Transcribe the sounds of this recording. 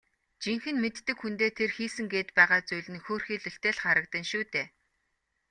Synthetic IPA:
t͡ɕiŋxɘ̆nmet̪ːɘ̆kxunt̪eːt̪ʰerxiːsɘ̆ŋɡeːt̪pæːʁaːt͡sujɮɘ̆nxoːrxiːɮɵ̆ɬt̪eːɮχaɾə̆k̚t̪ə̆nʃuːt̪eː

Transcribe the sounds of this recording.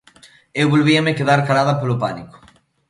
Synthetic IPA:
ewβolβiɐmekeðaɾkalaðɐpolopaniko̥

